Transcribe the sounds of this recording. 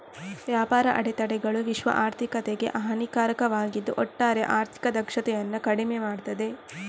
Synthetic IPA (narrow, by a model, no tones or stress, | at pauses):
ʋjaːpaːɾɐʔɐɽet̪ɐɽɛɡɐɭuʋiʃʋɐ̰ʔaːɾt̪ʰikɐt̪eɡe̞̰ʔɐɦɐnikaːɾɐkɐʋaːɡid̪ːuʔɔʈːaːɾeʔaːɾt̪ʰi̥kɐd̪ɐkʂɐt̪ɛjɐnːɐkɐɽimemaːɽt̪ɐd̪e̞